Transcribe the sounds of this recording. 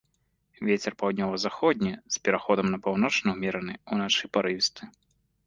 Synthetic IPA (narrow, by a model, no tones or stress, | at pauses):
vʲet͡sʲɛrpawd̪ʲnʲɔvɐzaxɔd̪ʲnʲispʲɛɾaxɔd̪ɐmnɐpawnɔt͡ʂnɐwmʲɛɾɐnɨunat͡ʂɨpaɾɨvʲist̪ɨ